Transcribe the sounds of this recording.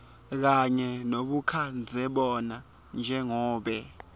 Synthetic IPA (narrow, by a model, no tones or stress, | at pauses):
k̬aɲɛnoɓukʰand͡zʱɛɓɔna | nd͡ʒʱɛŋɔːɓɛ